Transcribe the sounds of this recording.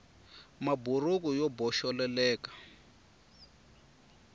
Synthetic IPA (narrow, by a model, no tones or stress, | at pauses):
maburukujɔbɔʃɔlɛlɛːkḁ